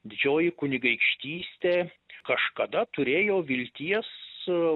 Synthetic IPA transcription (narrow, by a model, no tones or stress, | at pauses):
d̪ʲɪd͡ʒʲoːjɪkʊnʲɪɡɐɪkʃʲt̪ʲiːsʲt̪ʲeːkɐʃkɐd̪ɐt̪ʊɾʲeːjoːʋʲɪlʲt̪ʲiɛs